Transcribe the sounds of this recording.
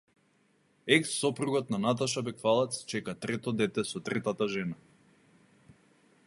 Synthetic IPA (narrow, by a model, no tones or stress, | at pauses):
ɛksːɔpɾuɡɔt̪̚nanat̪̬aʃabɛkfalˠɛt̪st͡ʃɛkat̪ɾɛt̪ɔd̪ɛt̪ɛsɔt̪ɾɛt̪at̪aʒɛna